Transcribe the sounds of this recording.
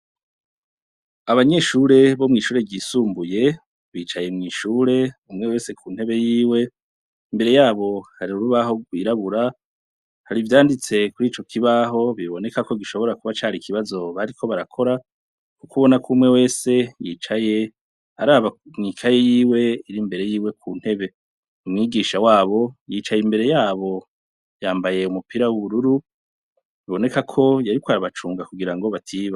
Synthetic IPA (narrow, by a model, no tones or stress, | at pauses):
aβaɲe̞ʃuɾe̞βomŋiːʃuːɾe̞ɡiːsuːmbuje̞ | βiːt͡ʃaje̞mŋiːʃuːɾe̞umŋe̞we̞ːse̞kʰuːn̥he̞βe̞jiːwe̞ | imbe̞ɾe̞jaːβo̞haɾiɾuɾuβaɦo̞ɡwiːɾaβuɾa | haɾivjaːndit͡se̞kuɾiːt͡ʃo̞kʰiβaɦo̞βiβo̞ne̞kako̞ɡiʃo̞βo̞ɾakuβat͡ʃaːɾikʰiβazo̞βaɾikʰo̞βaɾakʰo̞ɾa | kukuβo̞nakuːmŋe̞we̞ːse̞jḭːt͡ʃaje̞ | aɾaːβamŋikʰajejiːwe̞iɾimbe̞ɾe̞jiːwe̞kʰun̥he̞βe̞ | umŋiːɡiʃawaːβo̞jit͡ʃajimbe̞ɾe̞jaːβo̞ | jaːmbaje̞umupiɾawuβuɾuɾu | βiβo̞ne̞kakʰo̞jaɾikwaɾaβat͡ʃuːŋɡakuɡiɾaŋɡo̞βatʰiːβa